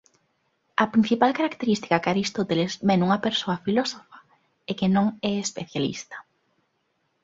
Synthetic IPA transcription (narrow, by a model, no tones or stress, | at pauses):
ɐpɾin̟θipalkaɾakt̪eɾist̪i̥kakaɾist̪ot̪elezmɛnuŋɐpeɾsoɐfilosofɐ̥ | ekɪnõŋɛespeθjalḭst̪ɐ̥